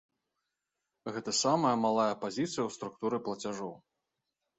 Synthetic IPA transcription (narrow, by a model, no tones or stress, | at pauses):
ɣɛt̪ɐsamɐjɐmalˠajɐpazʲit̪sɨjɐwst̪ɾuk̚t̪uɾɨplˠɐt͡sʲaʐɔw